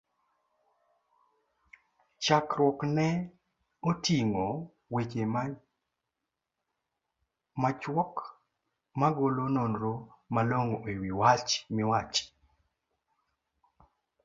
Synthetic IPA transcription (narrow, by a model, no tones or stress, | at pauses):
t͡ʃakɾwɔknɛ | otiŋo | wet͡ʃema | mat͡ʃwɔk | maɡolonɔnɾomaloŋewiwat͡ʃmɪwat͡ʃ